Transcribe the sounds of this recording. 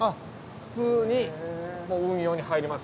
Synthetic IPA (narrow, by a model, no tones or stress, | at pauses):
ɸɯ̟̥t͡sɨːɲ̟imoːɯ̟̃ɰ̃jo̞ːɲ̟ihaiɾʲimas